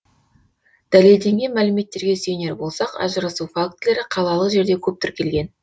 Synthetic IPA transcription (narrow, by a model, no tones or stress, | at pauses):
d̪̥æle̞ld̪e̞ŋɡʲe̞mælɪme̞t̪ːe̞ɾɡʲe̞sejne̞ɾbo̞lˠsɑqɑ̰ʒəɾɑsufak̚t̪le̞ɾɪqʰɑlˠɑlˠəqʒe̞ɾd̪e̞kʲʰɵp̚t̪ʏɾkʲʰe̞lɡʲe̞n